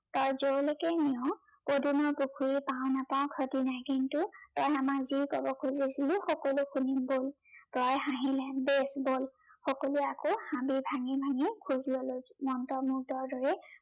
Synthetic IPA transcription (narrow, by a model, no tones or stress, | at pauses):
tɔɹzowlekɛniɔ | podunɔɹpukʰuɹipãʊ̃napãʊ̃kʰɔtinajkintʊtɔjamakzikɔbɔkʰuzisilʊ̃xɔkɔlukʰunimbol | pɔjɦãɦilɛbesbol | xɔkoluakohãbibʱaŋibʱaŋikʰuzlolomɔntɔmʊk̚dɔɹdɔɹɛ